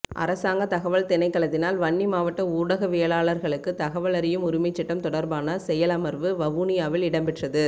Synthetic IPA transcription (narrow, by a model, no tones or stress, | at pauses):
ʔɐ̰ɾɐsaːŋɡɐt̪ɐɣɐʋɐɭt̪ɛnɐɪkːɐɭɐt̪ːɪnaːlʋɐɳːimaːʋɐʈːɐuːɽɐɣɐʋeːɭaːɭɐɾɣɐɭɯkːɯt̪ɐɣɐʋɐɭɐɾɪjɯmʊɾɪmɐɪt͡ʃːɪʈːɐmt̪ɔɽɐɾbaːnɐsɛjɐlɐmɐɾʋɯʋɐɣuːnɪjaːʋɪlɪɽɐmbɪʈrɐðɯ